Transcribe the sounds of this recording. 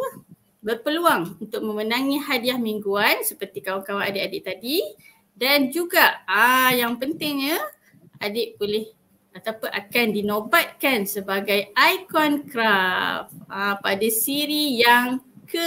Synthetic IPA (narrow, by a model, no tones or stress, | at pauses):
bərpəluaŋunt̪ʊk̚mə̃mənãŋiɦadiahmiŋɡuansəpərt̪ikawaŋkawaʔadəʔadɪʔt̪adi | dand͡ʒuɡaʔəjaŋpənt̪ɪŋə | adɪʔbolɪh | at̪apaʔakandinõbat̪̚kansəbaɡajajkɔnkɾafãpadasiɾijaŋkə